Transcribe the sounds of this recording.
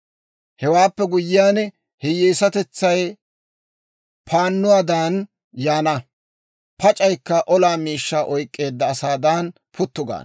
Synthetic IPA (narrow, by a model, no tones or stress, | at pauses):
hɛwaːpːɛɡʊjːɪjaːn | hɛjeːsɐt̪ɛt͡sːɐj | pʰaːnːʊwaːd̪an | jaːnɐ | pʰɐt͡ʃʼɐjkːɐʔɔlaːmiːʃːaːʔɔjkʼːe̞ːd̪ːɐːsaːd̪an | pʰʊt̪ːʊɡa̰ːn